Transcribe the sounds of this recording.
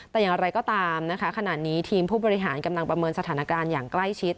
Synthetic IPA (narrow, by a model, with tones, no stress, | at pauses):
t̪ɛː˨˩jaː˨˩ŋɾa˧jkɔː˥˩t̪aː˧mna˦˥kʰa˦˥kʰa˧naː˨˩t̪̚niː˦˥t̪ʰiː˧mpʰuː˥˩bɔː˧ɾi˦˥ɦaː˩˦nka˧mla˧ŋpɾa˧mɤː˧nsa˧t̪ʰaː˩˦na˦˧˥kaː˧njaː˨˩ŋkla˥˩jt͡ɕʰi˦˥t̪̚